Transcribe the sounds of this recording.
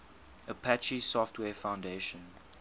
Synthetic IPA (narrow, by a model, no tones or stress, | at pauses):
əpʰæt͡ʃisɔftʰwɛːfãʊ̃ndeʃə̃n